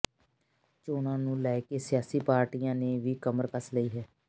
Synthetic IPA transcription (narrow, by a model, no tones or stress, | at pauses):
t͡ʃoːnãːnũːlɛːkeːsɪjaːsiːpaːɾʈiːjãːneːʋiːkəməɾkəsləiːɦɛː